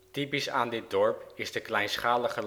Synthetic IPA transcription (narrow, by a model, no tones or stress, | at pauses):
tipisaːndɪt̚dɔɹpɪzdəklɛjnsχaːləχəl